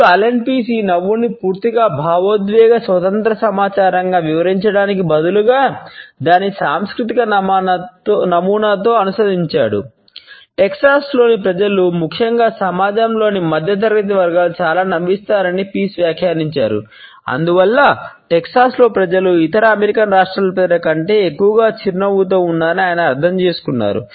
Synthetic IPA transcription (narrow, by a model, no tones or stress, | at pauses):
ɐleɳɖpiːs̬iːnɐʋːunːipuːɾt̪iɡaːbʱaːʋoːd̪ʋɛːɡɐsʋɐt̪ɐnt̪ɾɐsɐmaːt͡ʃaːɾɐŋɡaːʋiʋɐɾiɲt͡ʃɐɽaːnik̬ibɐd̪uluɡaːd̪aːnisaːmskɾut̪̬ikɐ | nɐmuːnaːt̪o̞ːɐnusɐd̪iɲt͡ʃa̰ːɽṵ | ʈeksaːslo̞ːnipɾɐd͡ʒɐlumukʰjɐŋɡaːsɐmaːd͡ʒɐmlo̞ːnimɐd̪ʱjɐt̪̬ɐɾɐɡɐt̪̬iʋɐɾɡaːlut͡ʃaːlaːnɐmːist̪aːɾɐnipiːsʋjaːkʰjaːɾiɲt͡ʃa̰ːɾṵ | ɐ̰nd̪uʋɐlːɐʈeksaːslo̞ːpɾɐd͡ʒɐluit̪ɐɾɐːmeɾikɐnɾaːʂʈɾɐːlɐpɛd̪ɐɐkɐɳʈe̞ːekːuʋɐɡaːt͡ʃʰiɾnɐʋut̪̬o̞ːunːaːniaːjɐnɐːɾd̪ʰʱɐmt͡ʃe̞ːsu̥kunːa̰ːɾṵ